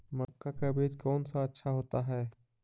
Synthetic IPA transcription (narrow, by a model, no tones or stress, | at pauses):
mɐkːakabeːd͡ʒkɔːnsaɐtːʃʰaɦoːt̪aɦɛː